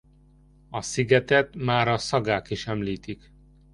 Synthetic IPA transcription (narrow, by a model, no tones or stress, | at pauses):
ɒsiɡɛt̪ɛt̪maːɾɒsɒɡaːkiʃɛmliːt̪ik